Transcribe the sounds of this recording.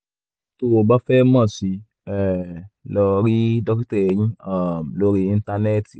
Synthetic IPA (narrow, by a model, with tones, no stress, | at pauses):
to˦˨o˨ba˦fɛ˦mã˦˨si˨˦ | ɛ˨lɔ˧ɾi˦dɔ˦ktɛ˦˨ɲĩ˦a˦˨mlo˦ɾi˧ĩ˧nta˧nɛ˦˨t